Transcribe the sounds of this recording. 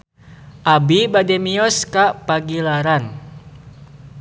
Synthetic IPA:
ʔabibadɛmiɔskapaɡilaɾan

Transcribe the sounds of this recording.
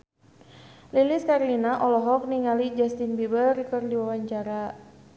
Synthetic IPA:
liliskaɾlinaʔɔlɔɦɔk̚niŋalid͡ʒast̪inbibərkərdiwawaɲt͡ʃaɾa

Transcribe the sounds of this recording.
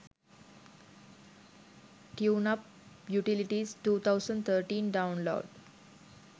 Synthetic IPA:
ʈjuːnap̚ | juʈiliʈisʈuːt̪ʰaʊsə̃ɳɖt̪ʰəɾʈĩːnɖaʊ̃nlo̰ːɖ

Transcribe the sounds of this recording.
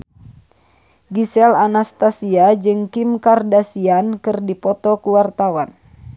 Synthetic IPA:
ɡisɛlanast̪asiad͡ʒɨŋkimkardasiankɨrdipɔt̪ɔkuwart̪awan

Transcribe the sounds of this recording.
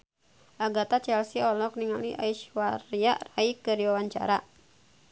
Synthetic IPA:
ʔaɡat̪at͡ʃɛlsiɔlɔk̚niŋaliʔa̰iʃwaɾiaʔraikədiwawaɲt͡ʃa̰ɾa

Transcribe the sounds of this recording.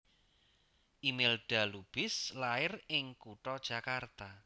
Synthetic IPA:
ʔimelɖ̥a̤lub̥ɪslaɪrɪŋkuʈɔd̥ʒ̥a̤kart̪a

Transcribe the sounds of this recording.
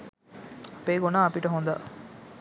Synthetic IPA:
ɐpeːɡonaːɐpiʈɐɦond̪a̰ː

